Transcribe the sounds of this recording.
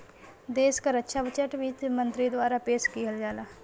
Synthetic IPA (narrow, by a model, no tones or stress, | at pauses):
d̪eːʃkəɾətːʃʰabət͡ʃəʈʋiːt̪mə̃nt̪ɾid̪waːɾapeːʃkiɦəld͡ʒaːlaː